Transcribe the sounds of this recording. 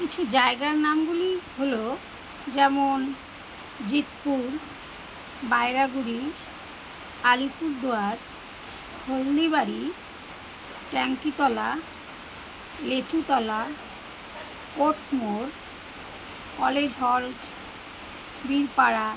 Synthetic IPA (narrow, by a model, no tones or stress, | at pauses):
kit͡ɕʰud͡ʑaeɡaɾnamɡuliɦolo | d͡ʑɛmon | d͡ʑit̪puɾ | baeɾaɡuɾi | aɾipuɾd̪oaɾ | ɡʰʱolniβaɾi | ʈɛŋkit̪ɔla | let͡ɕut̪ɔla | koʈʰmoɾ | kɔled͡ʑɦɔlʈ | biɾpaɾa